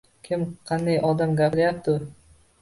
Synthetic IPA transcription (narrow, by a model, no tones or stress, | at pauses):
kʲʰɪmqʰɑnd̪ajʔɒd̪amɡʲapɪɾajap̚t̪ʰɪ